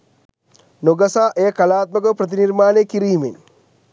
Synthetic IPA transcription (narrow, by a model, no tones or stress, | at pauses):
noɡɐsaːʔeːkɐlaːt̪̚məkəpɾɐt̪̬iniɾmaːneːkiɾiːmen